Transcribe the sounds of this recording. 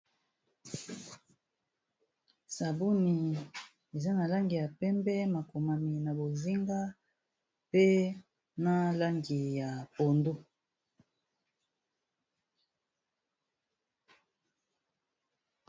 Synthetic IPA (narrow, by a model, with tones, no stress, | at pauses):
sa˨bu˦ni˨ | e˨za˦na˨la˦ŋɡi˨ja˨pɛ˦mbɛ˦ma˨ko˨ma˨mi˨na˨bo˨zi˦ŋɡa˦ | pe˦ | na˦la˦ŋɡi˨ja˨po˨ndu˦